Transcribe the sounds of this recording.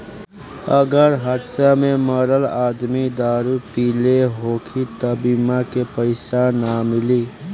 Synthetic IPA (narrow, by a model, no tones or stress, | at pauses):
əɡəɾɦət̪sameməɾəlaːd̪mid̪aːɾupileɦoːkʰit̪əbimakepəɪsanamɪli